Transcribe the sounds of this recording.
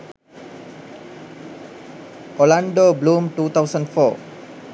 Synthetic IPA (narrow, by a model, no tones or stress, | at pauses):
ʔɔlãndoblũmtut̪awsə̃nfɔ